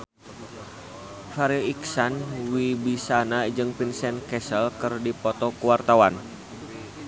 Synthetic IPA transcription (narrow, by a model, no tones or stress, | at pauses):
faɾiiksanwibisanad͡ʒɨŋpinsɛnkɛsəlkɨrdipɔt̪ɔkuwart̪awan